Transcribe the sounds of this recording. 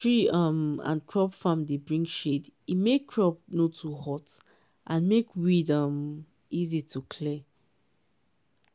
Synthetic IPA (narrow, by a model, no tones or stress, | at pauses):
tɹiʌ̃mã̰nkʰɹɔpfãmdebɹĩŋɡʃedimekkːʰɹɔp̚notʰuhɔt | ʔãnmekwidʌ̃m | izitʰukʰlɛ